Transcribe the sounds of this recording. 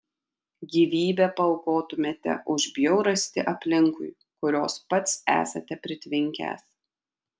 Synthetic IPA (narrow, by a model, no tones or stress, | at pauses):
ɡʲiːʋʲiːbʲɛpɐlˠkoːt̪ʊmʲeːt̪ʲɛ̰ʔʊʒʲbʲjoʊɾɐsʲt̪ʲɪʔɐpʲlʲɪŋkʊɪ | kʊɾʲoːspɐt̪sæ̰ːsɐt̪ʲɛpʲɾʲɪt̪ʲʋʲɪŋʲkʲæ̰ːs